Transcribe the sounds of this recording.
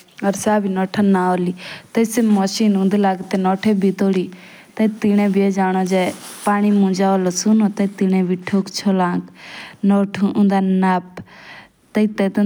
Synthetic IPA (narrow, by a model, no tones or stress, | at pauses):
ɔɾsaːbinɔːʈʰanaːoliːt̪əsemɔʃiːnũːnd̪laːɡt̪enɔːʈʰebʱit̪oːɽiː | t̪ɐt̪iñẽbʱied͡ʒaːñod͡ʒeːpaːɽ̃imũd͡ʒaːolosunot̪ɐt̪inẽbʱiʈʰoːkt͡ʃʰoːlãːknɔːʈʰuʔũnd̪aːnaːp̚ | t̪əit̪et̪ː